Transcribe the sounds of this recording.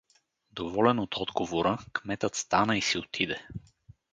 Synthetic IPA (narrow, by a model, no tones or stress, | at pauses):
d̪ovɔlɛnot̪ʰɔd̪ɡovoɾəkmɛt̪ət̪st̪anəisiot̪ʰid̪ɛ